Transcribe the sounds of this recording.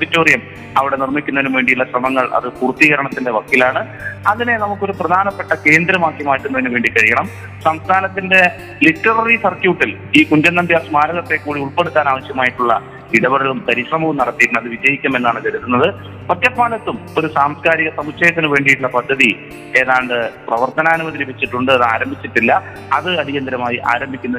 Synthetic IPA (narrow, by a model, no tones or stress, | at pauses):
uðitːoːrijɐm | ɐʋiɽe̞nirmikʲːunːɐðenumʋe̞ːɳɖijuɭːɐɕrɐmɐŋːɐɭʔɐ̰ðɨpuːrt̪ːiːɣɐɾɐɳɐt̪ːinde̞ʋɐkːilaːɳɨ | ɐðine̞nɐmukːo̞ɾuprɐd̪ʱaːnɐpːe̞ʈːɐke̞ːnd̪ɾɐmaːkːimaːjiʈːunːɐðnːumʋe̞ːɳɖikɐɻijɐɳɐm | sɐmst̪ʰaːnɐt̪ːinde̞ | liʈːɐrɐrisɐrkjuːʈːil | iːkuɲd͡ʑɐnːɐmbjaːsmaːlɐɣɐt̪ːe̞kːuːɽiuɭpe̞ɽut̪ːaːnaːʋɐɕjɐmaːjiʈːuɭːɐ | iɽɐbɐɽɐlumpɐɾiɕrɐmɐʋumnɐɽɐt̪ːikʲːunɐðɨʋid͡ʑɐjikʲːɐme̞nːaːɳɨkɐɾut̪ːunːɐðɨ | pɐt̪jɐt̪̚maːlɐt̪ːumoɾusaːmskaːɾiɣɐsɐmuɕʰɐjɐt̪̬ːinɨʋe̞ːɳɖijʈːuɭːɐpɐd̪ʱːɐði | e̞ːðaːɳɖɨprɐʋɐrt̪ɐnaːnumɐðiɾipet͡ɕːiʈːuɳɖɨɐðɨaːɾɐmbʱit͡ɕːiʈːilːɐ | ɐðɨɐdijɐnd̪ɐɾɐmaːjiʔa̰ːɾɐmbʱikʲːunːɐ